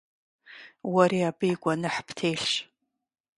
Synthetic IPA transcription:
wɐɾiːabɨjɡʷʼɔnɨħpʰtʰeːɬɕ

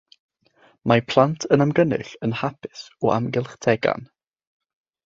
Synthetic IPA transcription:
mapʰlˠantʰənamɡənɨ̰ɬənhapʰɪ̥sɔʔa̰mɡɪlˠχtʰɛɡa̰n

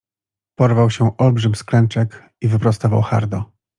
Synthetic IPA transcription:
pɔɾvawɕɛʔɔlbʐɘmʲsklɛnt͡ʂɛk | ivɘpɾɔst̪ɔva̰wxa̰ɾd̪ɔ

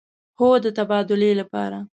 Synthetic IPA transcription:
hod̪ət̪abɑd̪ʊlelapɑ̰ɾa

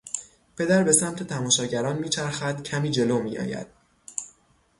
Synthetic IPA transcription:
pʰe̞d̪æɾbe̞sæmt̪ʰe̞t̪ʰæmɒːʃɒːɟæɾɒːnmiːt͡ʃʰæɾxæd̪̥cʰæmiːd͡ʒe̞loːmḭːɒ̰ːjæ̰d̪̥̚

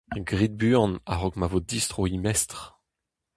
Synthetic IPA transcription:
ɡʁid̪̚byɑ̃na̰ʁɔkmavod̪ist̪ʁoimɛst̪ʁ

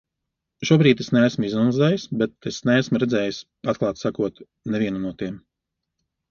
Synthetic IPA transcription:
ʃuɔbɾiːt̪esneæsmizunzɛːjisbet̪esneæsmuɾɛd̪zɛːjis | at̪̚klˠɑːt̪sakuɔt̪ | nevʲiɛnunuɔt̪iɛm

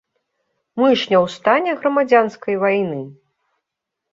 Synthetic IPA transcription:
mɨʂnʲɐwst̪anʲɛɣɾɐmad͡zʲanskɐjvajnɨ

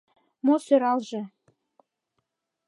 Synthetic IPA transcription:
mosøɾɑlʒĕ

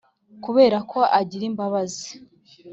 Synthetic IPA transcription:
kuβe̞ːɾakʰo̞ʔaɟiɾimbaβazi̥

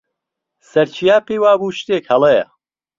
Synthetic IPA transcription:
sɐɾt͡ʃʰijaːpiːwaːbuːʃt̪eːkhɐlˠejɐ̰

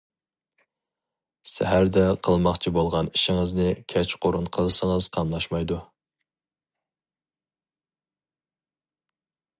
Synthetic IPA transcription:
sæ̰ɦæɾd̪ɛqʰəlˠmɑχt͡ʃʰibolˠʁɑniʃiŋəznɨkʲʰɛt͡ʃqʰoɾunqʰəlˠɨsəŋəz̥qʰɑmlˠɑʃmɑjd̪u

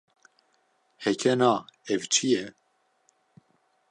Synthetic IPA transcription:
hɛkʰɛnɑːɛvt͡ʃʰijɛ

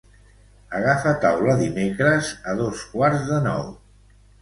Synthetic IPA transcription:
əɣ̞afət̪awləðimekɾəzəðoskwaɾzðənɔ̰w

